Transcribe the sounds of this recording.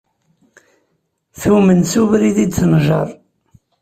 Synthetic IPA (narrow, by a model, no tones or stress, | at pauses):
θumənsuvɾiðid̪t͡sːənʒɑ̰ɾˤ